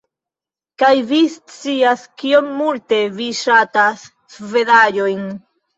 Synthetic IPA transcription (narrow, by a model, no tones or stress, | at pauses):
kajvist͡siaskio̞nmulte̞viʃatasː | ve̞daʎo̞jn